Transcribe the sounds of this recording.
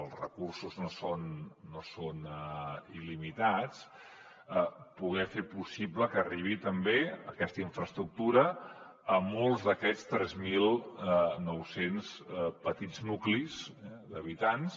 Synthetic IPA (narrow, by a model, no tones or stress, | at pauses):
əlˠzrə̰kursuznosonːoson | ilimit̪at͡s | əpuɣ̞ɛfepusibləkəriβit̪əmbeəkɛst̪əiɱfɾəst̪ɾuk̚t̪uɾəː | molˠzðəkɛst̪ɾɛzmilˠnɔwsenspət̪id͡znuklizɛd̪əβit̪ans